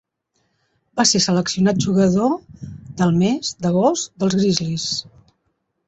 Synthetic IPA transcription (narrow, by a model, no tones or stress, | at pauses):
basesələksiunat̪̚ʒuɣəðoðəlˠmezd̪əɣ̞ɔzd̪əlˠzɣɾizlis